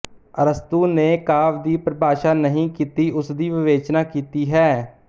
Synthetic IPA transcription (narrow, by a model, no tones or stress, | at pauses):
əɾəst̪uːneːkaːʋd̪iːpɾəbʱaːʃaːnəɦĩːkiːt̪iːʔʊsd̪iːʋɪʋeːt͡ʃnaːkiːt̪iːɦɛː